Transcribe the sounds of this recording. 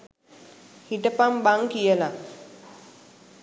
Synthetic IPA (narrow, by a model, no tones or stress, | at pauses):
hiʈəpambaŋkijəla